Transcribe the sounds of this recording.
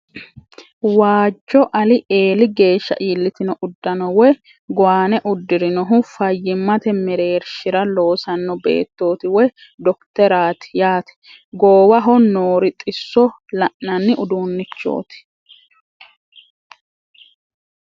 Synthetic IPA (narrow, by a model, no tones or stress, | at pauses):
waːd͡ʒːɔʔɐlɪʔeːlɪɡe̞ːʃːɐ̰ʔiːlːɪt̪ɪnɔʔʊd̪ːɐnɔwɛ | ɡʊwaːnɛʔʊd̪ːɪɾɪnɔɦʊfɐjːɪmːɐt̪ɛmɛɾe̞ːɾʃɪɾɐlo̞ːsɐnːɔbe̞̰ːt̪ːo̞ːt̪ɪwɛj | d̪ɔkt̪ɛɾaːt̪ɪ̥jaːt̪ɛ̥ | ɡoːwɐɦɔnoːɾɪt̪ʼɪsːɔ | lɐʔːɐnːɪʔʊd̪uːnːɪt͡ʃːo̞̰ːt̪ɪ̥